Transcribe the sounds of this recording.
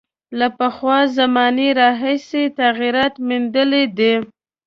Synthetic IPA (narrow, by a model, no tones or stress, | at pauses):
lapəxwɑzamɑneɾɑɦijset̪aɣiɾɑt̪mind̪əled̪e